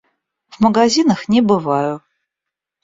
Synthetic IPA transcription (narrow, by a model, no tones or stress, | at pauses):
vməɡazʲinəxnʲɪbɨvajʊ